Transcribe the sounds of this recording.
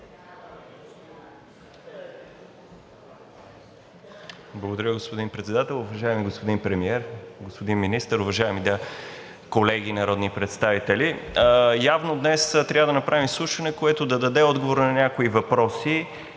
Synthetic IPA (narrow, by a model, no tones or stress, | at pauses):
blˠɐɡod̪ɐɾʲəɡospod̪inpɾɛt̪sɛd̪at̪ɛlˠʊvɐʒaɛmiɡospod̪inpɾɛmiɛɾɡospod̪inminist̪əɾʊvɐʒaɛmid̪a | kolɛɡinɐɾɔd̪nipɾɛt̪st̪avit̪ɛlijavnod̪nɛst̪ɾʲavəd̪ɐnɐpɾavimslˠuʃɐnɛkoɛt̪od̪ɐd̪ɐd̪ɛɔd̪ɡovoɾnɐnʲakoivɐpɾɔsi